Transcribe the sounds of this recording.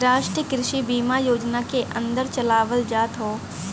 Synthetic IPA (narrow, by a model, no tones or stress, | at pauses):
ɾaːʃʈɾəkɾɪʃibiːmajoːd͡ʒnakeʔɐ̃nd̪əɾt͡ʃɐlaːʋəld͡ʒaːt̪ɦoː